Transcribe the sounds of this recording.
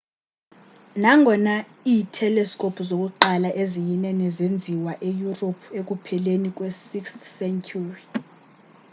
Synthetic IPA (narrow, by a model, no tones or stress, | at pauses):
naŋɡʱɔna | iːtʰɛlɛskʼopʰuzok̬ʼuǃalaʔezijinɛnɛzend͡zʱiwaʔejuropʰek̬ʼupʰɛlenik̬ʼwɛsikstsɛŋkʰuri